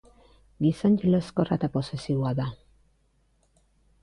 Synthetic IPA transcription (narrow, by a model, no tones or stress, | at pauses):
ɡisoɲɟeleskorat̪aposesioaða